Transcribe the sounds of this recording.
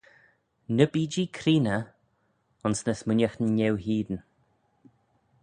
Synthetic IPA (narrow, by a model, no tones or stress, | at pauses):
nəbiːd͡ʒikʰɾiːnə | ʊnsnəsmʊnʲəxɲɛwɦiːd̪ən